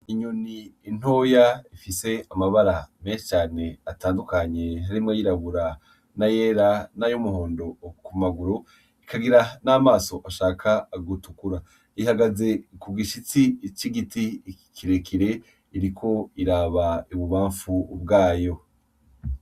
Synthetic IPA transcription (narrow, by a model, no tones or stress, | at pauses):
iɲuniːn̥hoːjaifise̞amaβaɾame̞ːnʃi̥t͡ʃaːne̞ataːndukaɲe̞ɦaɾimŋejiɾaβuɾa | najeːɾanajomuɦoːndo̞kumaɡuɾo | ikaɡiɾanaːmaːso̞ʔaʃaːkʰaːɡutukuɾa | ihaɡaze̞kuɡiʃit͡sit͡ʃiɡitikʰiɾekʰiɾe̞ | iɾikʰo̞iɾaːβaiβuβaːɱfubɡaːjo̞